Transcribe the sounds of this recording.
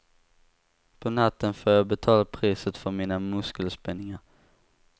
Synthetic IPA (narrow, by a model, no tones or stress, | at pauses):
pʰɔnat̪ːənfoːjɑbɛt̪ʰɑːlapʰɾiːsət̪fœɾmiːnamɵskəlspɛnːɪŋaɾ